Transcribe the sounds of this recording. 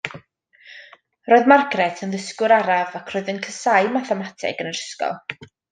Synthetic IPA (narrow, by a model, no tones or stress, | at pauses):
roːɨðmarɡrɛtʰənðəskʊɾaɾavakʰroːɨðənkʰəsajmaθɛmatʰɪ̰ɡənəɾəskɔ̰lˠ